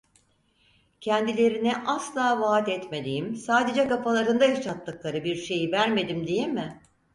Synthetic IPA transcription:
cʰɛnd̪ilʲe̞ɾiniʔaslˠaːvaːt̪ɛt̪me̞d̪ijimsaːd̪e̞d͡ʒɛkapalˠaɾɯnd̪aiʃat̪lːɯklˠaɾɯbiɾʃe̞jivæɾme̞d̪imd̪ijemɪ

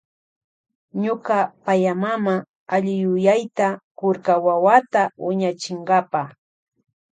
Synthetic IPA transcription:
ɲokapajamama | aʎɪjʊjajt̪akʊɾkawawat̪awɪɲat͡ʃɪɴɢɑpa

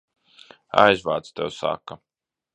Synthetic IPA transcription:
a̰jzvaːt̪st̪ɛwsa̰ːkɐ

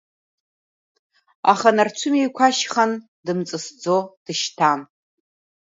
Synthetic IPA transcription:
a̰χanart͡ʃʷʰʊmijkʷʰaʃχan | dɨmt͡sʼɨsd͡zod̥ɨʃtʰan

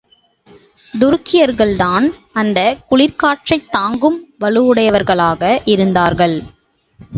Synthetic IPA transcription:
d̪ʊɾɯkːɪjɐɾɣɐɭd̪aːnɐnd̪ɐkʊɭɪɾkaːʈrɐɪt̪ːaːŋɡɯmʋɐɭɯʋɯɽɐjɐʋɐɾɣɐɭaːɣɐʔɪɾɯnd̪aːɾɣɐɭ

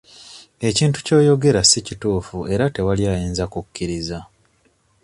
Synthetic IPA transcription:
e̞ciːntu̥co̞ːjo̞ɡe̞ɾasicituːfuʔe̞ɾate̞waljaːjiːnzakukːiɾiza

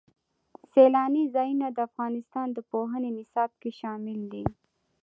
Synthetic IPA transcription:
selɑnizɑjunad̪əafɣɑnɪst̪ɑnd̪əpoɦənenɪsɑb̚keʃɑmɪld̪i

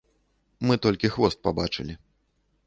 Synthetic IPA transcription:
mɨt̪ɔlʲkʲixvɔst̪̚pabat͡ʂɨlʲi

